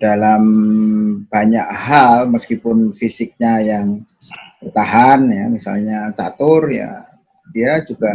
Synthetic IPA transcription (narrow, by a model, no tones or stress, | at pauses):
d̥alam | b̥aɲakhalməskipʊnfisɪk̚ɲajaŋbərt̪aɦanjamisa̰lɲat͡ʃa̰t̪ʊrja̰ | d̥iad͡ʒuɡa